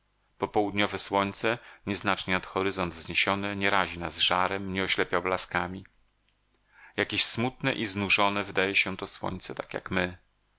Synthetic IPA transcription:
pɔpɔwud̪ɲɔvɛswɔɲt̪sɛɲɛznat͡ʂɲɛat̪xɔɾɘzɔnd̪vzɲeɕɔnɛɲɛɾaʑinazʐaɾɛmɲɛɔɕlɛpʲjawblaskamʲi | jakʲeɕsmut̪nɛ̰ʔiznuʐɔnɛvɘd̪ajɛɕɛ̃t̪ɔswɔ̰ɲt̪sɛt̪akʲja̰kmɘ

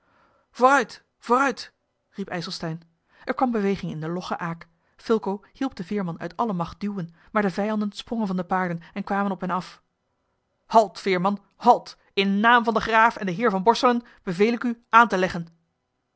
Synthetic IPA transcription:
vorœɥt | voːrœɥt | ripɛjsəl̩ˠstɛjn | ʔɛɹkʋɑmbəʋejχɪŋɪ̰ndəlɔχə̰ʔaːk | fɪlˠkowhilˠp̚dəvɪːɹmɑnœ̰ɥtɑləmɑχt̚dywənmaːɹdəvɛjɑndənsprɔŋənvɑndəpaːɹdənɛnkʋaːmənɔpɦɛnɑf | hɑlˠtfɪːɹmɑn | hɑlˠt | ɪnːaːmvɑndəχraːfɛndəɦɪːɹvɑnbɔɹsələn | b̥əvejlɪkyʔaːntəlɛχən

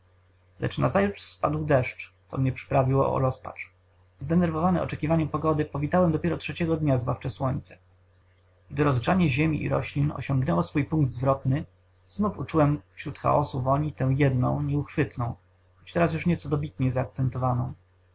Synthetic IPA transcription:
lɛ̰t͡ʂnazajut͡ʂspad̪wd̪ɛʂt͡ʂt̪sɔ̰mɲɛpʂɘ̥pɾavʲiwɔ̰ɔ̰ɾɔspa̰t͡ʂ | zd̪ɛnɛɾvɔvanɛɔ̰t͡ʂɛkʲivaɲɛmpɔɡɔd̪ɘpɔvʲit̪awɛmd̪ɔpʲɛɾɔtʂɛt͡ɕɛɡɔd̪ɲazbaft͡ʂɛswɔɲt̪sɛ̥ | ɡd̪ɘɾɔzɡʐaɲɛʑemʲiʔḭɾɔ̰ɕlʲinɔ̰ɕɔ̃ŋɡnɛwɔsfujpũŋɡ̚d̪zvɾɔt̪nɘ | znufut͡ʂuwɛmfɕɾut̪xa̰ɔsuvɔɲit̪ɛw̃jɛd̪nɔ̰̃w̃ɲɛuxfɘt̪nɔ̃w̃ | xɔt͡ɕt̪ɛɾasjuʂɲɛtsɔd̪ɔbʲit̪ɲɛzaːk̚t̪sɛnt̪ɔvanɔ̃w̃

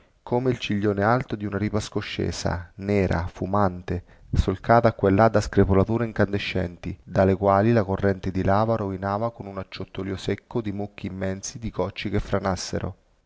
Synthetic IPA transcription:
kʰomeilt͡ʃiʎːoːnealt̪od̪iunaɾiːpaskoʃːḛːsa̰nɛːɾʔa̰fumant̪e | solkaːt̪aːkːwelːad̪ːaskɾepolat̪uːɾeiŋkand̪eʃːɛnt̪id̪alekwaːlilakorːɛnt̪ɪd̪ilaːvaɾovinaːvakonunat͡ʃːot̪ːoliːosekʰːod̪imukːiːmːɛnsid̪ikɔt͡ʃːik̟efɾanasːḛɾo̰

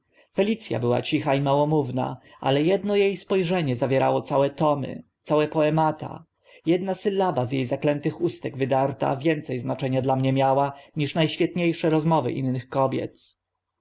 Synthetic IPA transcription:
fɛlʲit̪sʲja̰bɘwa̰t͡ɕixaimawɔmuvna̰ʔa̰lɛjɛd̪nɔjejspɔjʐɛɲɛzavʲjɛɾa̰wɔt̪sawɛt̪ɔmɘ̰t̪sawɛpɔɛmat̪a̰ | jɛd̪nasɘlːabazjejzaklɛnt̪ɘxust̪ɛɡvɘd̪aɾt̪a̰vʲjɛnt̪sɛjznat͡ʂɛɲad̪lamɲɛmʲjawaɲiʂnajɕfʲjɛt̪ɲejʂɛɾɔzmɔvɘ̰ʔḭnːɘxkɔbʲjɛ̰t̪

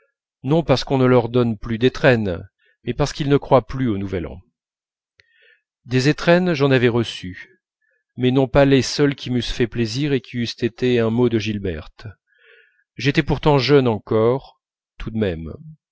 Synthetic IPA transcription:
nɔ̃paʁsə̥kɔ̃nəlœʁd̪ɔnplyd̪et̪χɛn | mɛpaʁsə̥kilnəkχwaplyonuvɛlɑ̰̃ | d̪ezet̪χɛnʒɑ̃navɛʁəsy | mɛnɔ̃palesœlkʲimysfɛpleziʁekʲiyst̪et̪eɛ̃mod̪əʒilbɛ̰ʁt̪ | ʒet̪ɛpuʁt̪ɑ̃ʒœnɑ̃kɔʁ | t̪ʰud̪mɛm

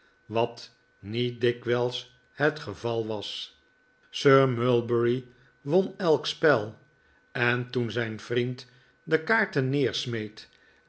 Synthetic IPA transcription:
ʋɑt | nit̚dɪkʋɛlˠs | hətχəvɑlˠʋɑs | søɹmølˠbəɹi | ʋonɛlˠkspɛlˠ | ɛntunzɛjnv̥rint | dəkaːɹtənɪːɹsmejt

